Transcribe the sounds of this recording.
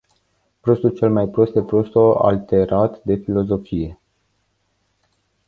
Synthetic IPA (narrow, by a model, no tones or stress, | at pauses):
pɾo̞st̪ult͡ʃe̞lmajpɾo̞st̪epɾo̞st̪o̞a̰lt̪e̞ɾat̪d̪e̞filo̞zo̞fije̞